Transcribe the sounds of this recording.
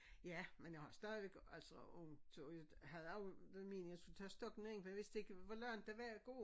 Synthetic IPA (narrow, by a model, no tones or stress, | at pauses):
jæmenjɑɪhɑ̈sd̥æːðˠʋeɡ̥ælsəɔŋt͡sʰojɦæð̞̩ˠɑʊdme̝̰nəjasɡ̥ult͡sʰɛ̰ːsd̥ɒɡ̥neŋfɒjaʋe̝sd̥ee̝ɡ̥əʋɒlɶɐ̰nd̥æʋæɐɡ̥o̝̰ː